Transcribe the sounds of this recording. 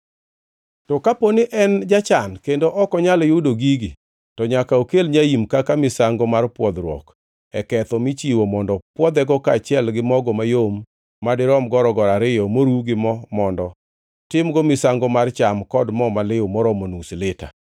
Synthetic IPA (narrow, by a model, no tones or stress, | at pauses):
tɔkaponɪʔɛnd͡ʒat͡ʃankendoʔɔkɔɲaljudoɡiɡi | tɔɲakaokelɲaimkakamɪsaŋɡɔmarpwɔd̪ɾwɔ̰k | ɛkɛt̪ɔmɪt͡ʃiwɔmɔndɔpwɔd̪ɛɡɔkaːt͡ʃɪɛlɡɪmɔɡɔmajomː | adɪɾɔmɡɔɾɔɡɔɾaɾɪjɔmoɾuɡɪmɔmɔndɔ | tɪmɡɔmɪsaŋɡɔmart͡ʃamkɔdmɔmalɪomɔɾɔmonusɪlɪta̰